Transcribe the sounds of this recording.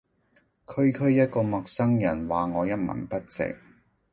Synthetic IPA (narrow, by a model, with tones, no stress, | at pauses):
kʰɵ˥ɥkʰɵ˥ɥjɐ˥t̚kɔː˧mɐ˨k̚sɐ˥ŋjɐ˨˩nwaː˨ŋɔː˨˧jɐ˥t̚mɐ̰˨˩npɐ˥t̚t͡sɪ̰˨k̚